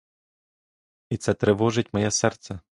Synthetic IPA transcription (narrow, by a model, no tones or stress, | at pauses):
it̪sɛt̪ɾɪʋɔʐɪt̚ʲmɔjɛsɛrt̪sɛ